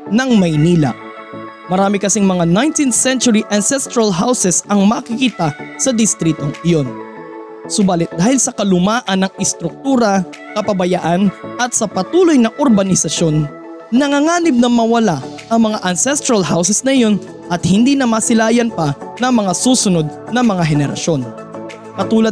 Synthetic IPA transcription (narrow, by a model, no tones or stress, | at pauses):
nɐŋmɐjniːlɐ̰ | mɐɾaːmɪkɐsɪŋmɐŋanajnt̪insɛnt͡ʃʊɾiʔɐnsɛst̪ɾɐlɦawsɛsɐŋmɐkɪkiːt̪ɐsɐd̪ɪst̪ɾiːt̪oŋɪjo̞n | sʊbaːlɪt̪̚d̪aːhɪlsɐkɐlʊmaːʔɐnːɐŋɪst̪ɾʊk̚t̪uːɾɐ | kɐpɐbɐjaʔanʔɐt̪̚sɐpɐt̪uːlo̞jnɐʔoɾbɐnɪsɐʃo̞nː | ɐŋaŋaːnɪbnɐmɐwɐla | ʔɐŋmɐŋaʔɐnsɛst̪ɾɐlɦawsɛsnɐjo̞n | ʔɐt̪̚hɪnd̪iːnɐmasɪlaːjɐnpɐnɐŋmɐŋasuːsʊno̞d̪̚nɐmɐŋaɦɛnɛɾɐ̰ʃo̞n | kɐt̪uːlɐd̪̚